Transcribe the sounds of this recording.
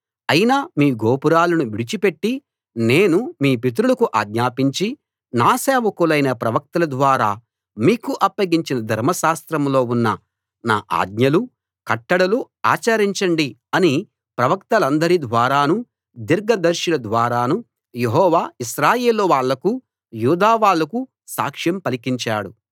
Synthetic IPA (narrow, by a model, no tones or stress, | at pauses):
ɐjinamiːɡoːpuɾaːlɐnuʋiɽit͡ʃipe̞ʈːi | ne̞ːnumiːpit̪̬ɾulɐkuʔa̰ːɡ̪ɲaːpiɲt͡ʃi | naːsɛːʋɐkulɐjnɐpɾɐʋɐk̚t̪ɐlɐd̪ʋaːɾaː | miːkuʔɐpːɐɡiɲt͡ʃinɐd̪ʱɐɾmɐʃaːst̪ɾɐmlo̞ːunːɐ | na̰ːʔa̰ːd̪ɲɐlu | kɐʈːɐɽɐlu | a̰ːt͡ʃɐɾiɲt͡ʃɐɳɖi | ɐni | pɾɐʋɐkt̪ɐlɐnd̪ɐɾid̪ʋaːɾaːnu | d̪iɾɡɐd̪ɐɾʃɐlɐd̪ʋaːɾaːnu | jeɦɔːʋaːiʃɾaːje̞ːlːoʋaːɭːɐku | juːd̪aːʋaːɭːɐku | sa̰ːkʂjɐmpɐlikiɲt͡ʃaːɽu